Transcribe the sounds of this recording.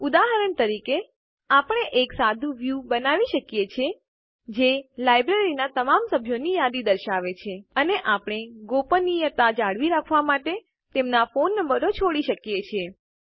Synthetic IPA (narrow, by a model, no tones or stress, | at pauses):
ud̪aɦəɾəɳt̪əɾike | apəɳ̃eʔeksad̪ʱũʋjubənaʋiʃəkjet͡ʃʰe | d͡ʒelajbɾeɾinat̪əmamsəbʱjonijad̪id̪əɾʃaʋet͡ʃʰeəneʔapəɽ̃eɡopənijət̪ad͡ʒaɽʋiɾakʰʋamaʈe | t̪emnafonːəmbəɾot͡ʃʰoɽiʃəkjet͡ʃʰe